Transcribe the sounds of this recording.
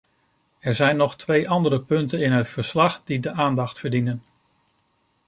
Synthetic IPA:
ɛɹzɛjnːɔχtʋejʔɑndəɾəpɵntənɪnɦətfəɹslɑχdidəʔaːndɑχtfəɹdinən

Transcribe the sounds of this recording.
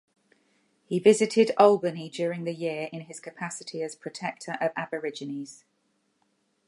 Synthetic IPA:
hivɪzɪtʰɪdɒlˠbənid͡ʒɔːɹɪ̃ŋðəjɪəɹʔɪ̃nɪz̥kʰəpʰasɪtʰiəz̥pʰɹ̥ətʰɛk̚tʰəɹʔəvabəɹɪd͡ʒɪnɪz̥

